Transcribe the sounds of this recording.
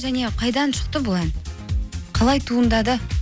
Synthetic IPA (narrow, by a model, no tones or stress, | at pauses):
ʒæne̞qʰɑjd̪ɑnʃə̥q̚t̪əbolˠɑn | qʰɑlˠɑjt̪ʰuənd̪ɑd̪ə